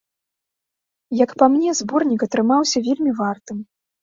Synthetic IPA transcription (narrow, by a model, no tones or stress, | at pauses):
jɐkpamnʲɛzbɔrnʲikɐt̪ɾɨmawsʲɐvʲelʲmʲivart̪ɨm